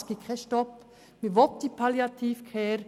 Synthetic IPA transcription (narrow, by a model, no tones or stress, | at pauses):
sɡ̥ikʰɛʃtɔp | miʋɔt̪̚d̪ipʰaljat̪ʰiːfkʰɛɾ